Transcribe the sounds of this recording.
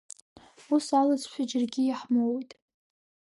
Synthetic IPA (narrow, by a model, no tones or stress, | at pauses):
usalad͡zʼʃʷᶣad͡ʒɪrɡʲɪjaħmowjtʼ